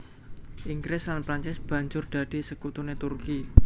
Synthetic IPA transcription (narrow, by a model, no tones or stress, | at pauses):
ʔiŋɡɾɪslanpɾaɲt͡ʃɪsb̥ä̤ɲd͡ʒʊrd̪̥ä̤d̪̥e̤səkut̪unet̪urki